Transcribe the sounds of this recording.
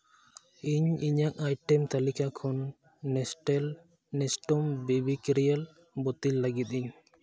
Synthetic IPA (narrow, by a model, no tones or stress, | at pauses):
iɲiɲak̚ajʈɛmt̪alikakʰɔnː | ɛʈl | nɛsʈɔmbibikɾijəl | bɔt̪ilːaɡit̪̚iɲ